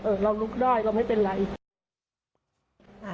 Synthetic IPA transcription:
ʔɤː˨˩ɾa˧wlu˦˥k̚daː˥˩jɾa˧wmha˥˩jpe˧nɾa˩˦j

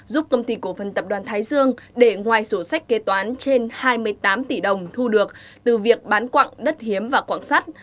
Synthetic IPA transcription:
zu˦˥p̚kə˧wŋ͡mt̪i˧ku˧˩əfə˨˩nt̪ə˨˩p̚ɗwaː˨˩nt̪ʰaː˨˦jzɨ˧əŋɗe˧˩ŋwaː˨˩jso˧˩sa˦˥k̟̚ke˨˦t̪waː˨˦nt͡ɕe˧nhaː˧jmɨ˧əjt̪aː˨˦mt̪i˧˩ɗə˨˩wŋ͡mt̪ʰu˧ɗɨ˨˩ək̚t̪ɨ˨˩vi˨˩ək̚ɓaː˨˦nkwa̰ː˧˨ŋɗə˦˥t̚hi˨˦əmvaː˨˩kwa̰ː˧˨ŋsa˦˥t̚

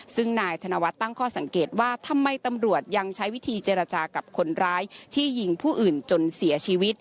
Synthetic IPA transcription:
sɯ˥˩ŋnaː˧jt̪ʰa˧na˧wa˦˥t̪ːa˥˩ŋkʰɔː˥˩sa˨˩˦ŋkeː˨˩t̪̚waː˥˩t̪ʰa˧mːa˧jt̪a˧mɾu˨˩ət̪̚ja˧ŋt͡ɕʰa˦˥jwi˦˥t̪ʰiː˧t͡ɕeː˧ɾa˧t͡ɕaː˧ka˨˩p̚kʰo˧nɾaː˦˥jt̪ʰiː˥˩ji˧ŋpʰuː˥˩ʔɯː˨˩nt͡ɕo˧nsi˩˦ɐt͡ɕʰiː˧wi˦˥t̪̚

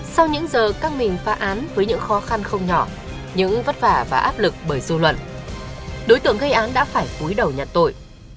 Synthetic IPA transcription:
sa˧wɲɨ̰˧˥ŋzəː˨˩kaː˦˥ŋ̚mï˨˩ŋfaː˨˦ʔaː˨˦nvəː˨˦jɲɨ̰˧˥ŋxɔ˨˦xa˧nxə˧wŋ͡mɲɔ˧˩ | ɲɨ̰˧˥ŋvə˦˥t̚faː˧˩vaː˨˩ʔaː˦˥p̚lɨ˨˩k̚ɓəː˧˩jzu˧lwə̰˧˨n | ɗo˨˦jt̪ɨ˧˩əŋɣə˧jʔaː˨˦nɗa̰ː˧˥faː˧˩jku˨˦jɗə˨˩wɲa˨˩t̚t̪o˧˩j

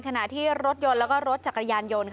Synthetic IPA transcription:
nkʰa˧na˨˩ʔt̪ʰiː˥˩ɾo˦˥t̪̚jo˧nlɛː˦˥wkɔː˥˩ɾo˦˥t̪̚t͡ɕa˨˩kɾa˧jaː˧njo˧nkʰ

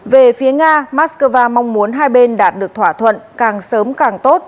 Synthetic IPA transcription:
ve˨˩fi˨˦əŋaː˧maː˦˥skəː˧vaː˧ma˧wŋ͡mmu˨˦ənɦaː˧jɓe˧nɗaː˨˩t̚ɗɨ˨˩ək̚t̪ʰwaː˧˩t̪ʰwə̰˧˨nkaː˨˩ŋsəː˨˦mkaː˨˩ŋt̪o˦˥t̚

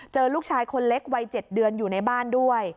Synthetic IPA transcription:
t͡ɕɤː˧luː˥˩k̚t͡ɕʰaː˧jkʰo˧nle˦˥k̚wa˧jt͡ɕe˨˩t̪̚dɯ˧ənjuː˨˩na˧jbaː˥˩ndu˥˩əj

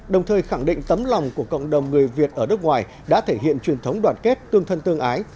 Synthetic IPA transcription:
ɗə˨˩wŋ͡mt̪ʰəː˨˩jxa˧˩ŋɗḭ̈˧˨ŋ̟t̪ə˨˦mla˨˩wŋ͡mku˧˩əkə̰˧˨wŋ͡mɗə˨˩wŋ͡mŋɨ˨˩əjvi˨˩ət̚ʔəː˧˩nɨ˦˥k̚ŋwaː˨˩j | ɗa̰ː˧˥t̪ʰe˧˩ɦḭ˧˨ənt͡ɕwi˨˩ənt̪ʰə˨˦wŋ͡mɗwaː˨˩nke˦˥t̚t̪ɨ˧əŋt̪ʰə˧nt̪ɨ˧əŋʔaː˨˦j

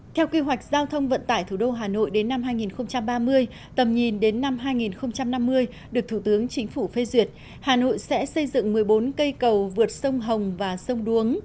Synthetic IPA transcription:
t̪ʰɛ˧wki˧ɦwa˨˩jk̟̚zaː˧wt̪ʰə˧wŋ͡mvə̰˧˨nt̪a̰ː˧˨jt̪ʰu˧˩ɗo˧ɦaː˨˩no̰˧˨jɗe˨˦nːa˧mhɦaː˧jŋi˨˩nxə˧wŋ͡mt͡ɕa˧mɓaː˧mɨ˧əj | t̪ə˨˩mɲi˨˩nɗe˨˦nːa˧mɦaː˧jŋi˨˩nxə˧wŋ͡mt͡ɕa˧mna˧mːɨ˧əj | ɗɨ˨˩ək̚t̪ʰu˧˩t̪ɨ˨˦əŋt͡ɕï˨˦ŋ̟fu˧˩fe˧zwi˨˩ət̚ | haː˨˩no̰˧˨jsɛ̰˧˥sə˧jzɨ̰˧˨ŋmɨ˨˩əjɓo˨˦nkə˧jkə˨˩wvɨ˨˩ət̚sə˧wŋ͡mɦə˨˩wŋ͡mvaː˨˩sə˧wŋ͡mɗu˨˦əŋ

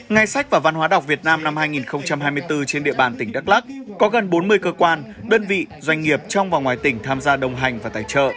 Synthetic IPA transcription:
ŋa˧jsa˦˥jk̚vaː˨˩va˧nɦwaː˨˦ɗa˨˩wk͡p̚vi˨˩ət̚naː˧mna˧mhaː˧jŋi˨˩nxə˧wŋ͡mt͡ɕa˧mhaː˧jmɨ˧əjt̪ɨ˧t͡ɕe˧nɗḭ˧əɓaː˨˩nt̪ï˧˩ŋ̟ɗaː˦˥k̚la˦˥k̚kɔ˨˦ɣə˨˩nɓo˨˦nmɨ˧əjkəː˧kwaː˧nɗəː˧nvḭ˧˨zwa˧jŋ̟ŋi˨˩əp̚t͡ɕɔ˧wŋ͡mvaː˨˩ŋwaː˨˩jt̪ï˧˩ŋ̟t̪ʰaː˧mzaː˧ɗə˧˩wŋ͡mɦa˨˩jŋ̟vaː˨˩t̪a̰ː˧˨jt͡ɕə̰ː˧˨ʔ

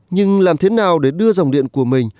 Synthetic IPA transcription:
ɲɨ˧ŋlaː˨˩mt̪ʰe˨˦naː˨˩wɗe˧˩ɗɨ˧əza˨wŋ͡mɗḭ˧˨ənku˧˩əmï˨˩ŋ̟

